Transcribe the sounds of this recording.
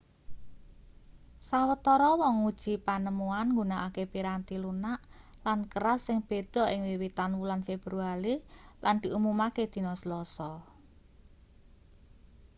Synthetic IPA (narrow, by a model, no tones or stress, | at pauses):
sawət̪ɔɾɔwɔŋud̥ʒ̥i̤panəmuanŋɡunaʔakepiɾant̪ilunaʔ | lankəɾasːɪŋb̥e̤d̪̥ɔ̤ʔɪŋwiwit̪anwulanfeb̥ɾuaɾiland̪̥i̤ʔumumaked̪̥i̤nɔslɔsɔ